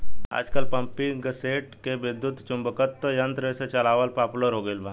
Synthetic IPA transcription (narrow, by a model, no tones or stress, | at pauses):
a̰d͡zkalpəmpiɡseʈkeʋid̪jut̪t͡ʃumbəkət̪ːəjənt̪ɾəset͡ʃəlaʋəlpaploɾɦoɡelbʱã